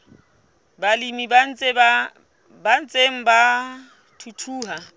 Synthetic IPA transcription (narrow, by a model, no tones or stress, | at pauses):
balimiban̩t͡sʼeba | ban̩t͡sʼeŋ̩ba | tʰutʰuːɦa